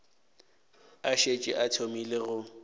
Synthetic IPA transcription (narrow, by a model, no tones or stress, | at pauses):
aʃet͡ʃʼɪ̰ʔatʰomileɣʊ